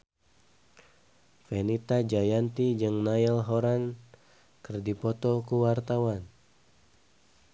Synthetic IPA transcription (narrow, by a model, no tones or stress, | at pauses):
fɛnit̪ad͡ʒajant̪id͡ʒɨŋnailɦoɾan | kɨrdipɔt̪ɔkuwart̪awan